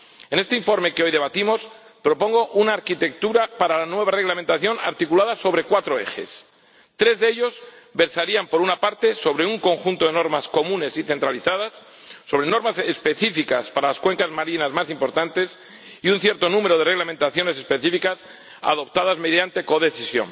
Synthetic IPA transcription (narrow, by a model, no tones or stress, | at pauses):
e̞ne̞st̪e̞iɱfo̞ɾme̞keo̞jðe̞β̞at̪imo̞spɾo̞po̞ŋɡo̞ʔunaːɾkit̪e̞k̚t̪uɾapaɾalanwe̞β̞are̞ɣlament̪aθjo̞na̰ɾt̪ikulaðaso̞βɾe̞kwat̪ɾo̞e̞̰xe̞̰s | t̪ɾe̞zðeeʎo̞z | be̞ɾsaɾiampo̞ɾunapaɾt̪e̞so̞βɾeuŋko̞ŋxunt̪o̞ðe̞no̞ɾmasko̞mũne̞siθe̞nt̪ɾaliθaðasː | o̞βɾe̞no̞ɾmasespe̞θifikaspaɾalaskwe̞ŋkazmaɾinazmasimpo̞ɾt̪ant̪e̞s | iunθje̞ɾt̪o̞nũme̞ɾoð̞e̞re̞ɣlamẽ̞nt̪aθjo̞ne̞s̬e̞spe̞θifikas | a̰ðo̞p̚t̪aðazme̞ðjant̪e̞ko̞ðe̞θisjo̞̰n